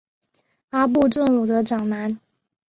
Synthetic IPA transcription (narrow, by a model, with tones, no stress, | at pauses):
a˥p̬u˥˧ʈ͡ʂə˥˨ŋu˨˩d̪ə˧˦ʈ͡ʂɑ˨˩ŋna˨˧˦n